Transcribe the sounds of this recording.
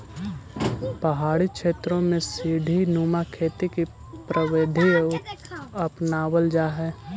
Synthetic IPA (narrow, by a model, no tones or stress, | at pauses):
pəɦaːɽikʃeːt̪ɾõmẽsiːɖʱinuːmakʰeːt̪iki | pɾəwed̪ʱie | əpnaːwəld͡ʒaːɦɛː